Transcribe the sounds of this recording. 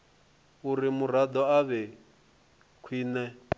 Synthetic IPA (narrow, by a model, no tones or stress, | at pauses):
uɾimuɾ̤ad̪ɔaβɛ | kʰiːnɛ